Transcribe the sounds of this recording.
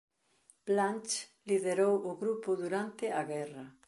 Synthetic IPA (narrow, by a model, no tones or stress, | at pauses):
b̥lant͡ʃliðeɾowʔʊɣɾupʊðuɾant̪ɪaɣɛrɐ